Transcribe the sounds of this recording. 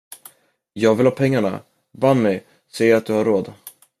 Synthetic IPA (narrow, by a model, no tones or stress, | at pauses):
jɑːɡvɪlhɑːpʰɛŋːaɳa̰ | banːɛ | sɛjəɾat̪̚d̪ɵhaɾːoːd̪